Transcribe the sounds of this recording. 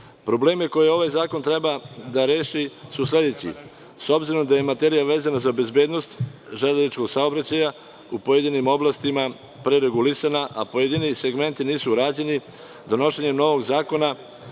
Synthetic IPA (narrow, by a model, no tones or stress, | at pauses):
pɾo̞ble̞ːmiko̞jeo̞ʋajzaːko̞nt̪ɾe̞bad̪aɾe̞ːʃisuslʲe̞d̪e̞t͡ɕḭ | so̞bziɾo̞md̪aje̞mat̪e̞ɾijaʋe̞ːzanazabe̞zbeːd̪no̞st̪ | ʒad̪anit͡ʃko̞ɡsao̞bɾat͡ɕaja | upo̞jed̪inimo̞blˠast̪ima | pɾeɾe̞ɡulisanaʔapo̞je̞d̪inise̞ɡme̞nt̪iniːsuɾaːd͡ʑe̞ni | d̪o̞no̞ʃeɲe̞mno̞ʋo̞ɡzaːko̞na